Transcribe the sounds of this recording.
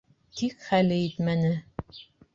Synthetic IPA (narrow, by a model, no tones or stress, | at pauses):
t̪ikχælɘit̪mænɘ